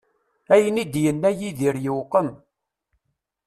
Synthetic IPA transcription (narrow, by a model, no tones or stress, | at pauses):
æjənid̪jənːæjiðiɾjəwqəm